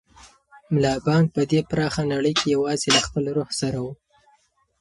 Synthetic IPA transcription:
mlɑbɑŋɡ̚pəd̪epɾɑxanaɽəjkejawɑzelaxpəlɾohsaɾawu

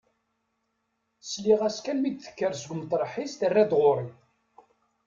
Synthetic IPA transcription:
sliʁæskænmid̪θə̥kːəɾsəɡʷmt̪ˤːɾˤħist̪ərːæd̪ʁʊɾˤi

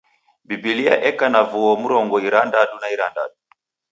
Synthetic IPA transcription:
bibilia̰ʔɛkanavuɔmuɾɔŋɡɔiɾandaɗunaiɾanda̰ɗu

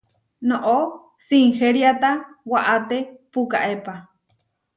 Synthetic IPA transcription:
noʔo | siŋxeɾjat̪awaʔat̪epuka̰ʔepa

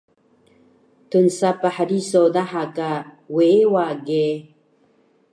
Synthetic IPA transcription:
t̪unsapahaɾisod̪ahaka | weewaɡe

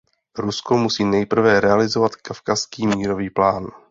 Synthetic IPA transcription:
ɾusko̞musiːnɛjpr̩vɛɾɛalɪzovat̪kafkaskiːmiːɾo̞viːplaːn

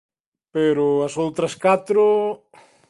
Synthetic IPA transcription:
peɾʊɐsowt̪ɾɐskat̪ɾo

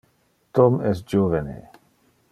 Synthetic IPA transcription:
t̪ɔmɛsd͡ʒovenḛ

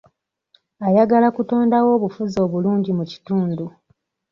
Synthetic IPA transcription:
ajaɡalakuto̞ːndawo̞ːβufuzo̞ːβuluːɲɟimuci̥tuːndu

